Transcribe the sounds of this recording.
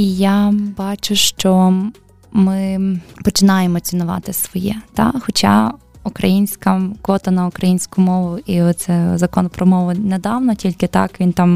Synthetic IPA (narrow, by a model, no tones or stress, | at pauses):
ijabɑt͡ʃʊʃt͡ʃɔ | mɪpɔt͡ʃɪnɑjemɔt͡sʲinʊʋɑ̰t̪ɪsʋɔjɛt̪ɑ̰xɔt͡ʃɑ̰ | ukɾɐjinʲsʲkɐkʋɔt̪ɐnɐʊkɾɐjinʲsʲkʊmɔʋʊiɔt̪sɛzɐkɔnɔpɾɔmɔʋʊnɛd̪ɑwnɔtʲilʲkɪt̪ɑ̰kʋʲint̪ɑm